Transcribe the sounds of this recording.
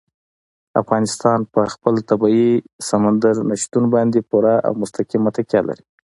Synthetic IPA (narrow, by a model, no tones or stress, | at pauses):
a̰fɣɑnɪst̪ɑnpəxpəlt̪abɑisamand̪aɾnaʃt̪unbɑnd̪epuɾaa̰wmʊst̪akimat̪akjɑla̰ɾi